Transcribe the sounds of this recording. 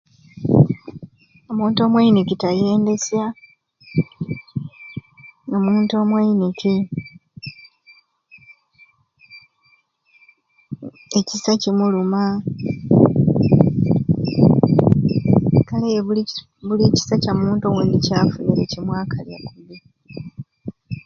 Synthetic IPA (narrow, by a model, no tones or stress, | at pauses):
o̞muːnto̞ːmwainikitaje̞ːnde̞sja | omuːnto̞ːmwainiki | ecisacimuluma | kale | βulici̥sacamuːntoweːndicaːfuneɾecimwaːkʰalja̰kuβi